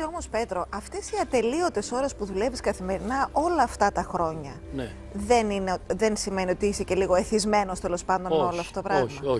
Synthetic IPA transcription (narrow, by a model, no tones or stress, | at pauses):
omospe̞t̪ɾo̞ʔɐft̪esiɐt̪e̞lio̞t̪e̞so̞ɾɐspuðule̞viskɐθime̞ɾinɐʔo̞lɐːft̪ɐt̪ɐxɾo̞ɲɐne | ðenineðe̞nsime̞nio̞t̪iisece̞liɣo̞eθizme̞no̞st̪e̞lo̞spɐnd̪o̞noloɐfot̪opɾɐɣmɐo